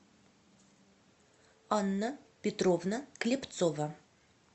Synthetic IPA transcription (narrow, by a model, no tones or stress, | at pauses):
ɑnːəpʲet̪rovnəklʲept̪sovɐ